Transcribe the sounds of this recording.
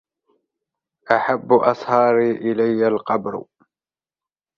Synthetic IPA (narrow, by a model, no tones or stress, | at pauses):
ʔaħabːʔɑsˤhɑːɾiːʔɪlajːalqɑbɾ